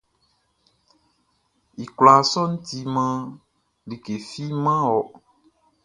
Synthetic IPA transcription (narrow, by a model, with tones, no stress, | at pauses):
i˨kla˨sɔ˦ŋũ˦t̪i˦mã˦ | li˨ke˨fi˦mã˦ɔ˨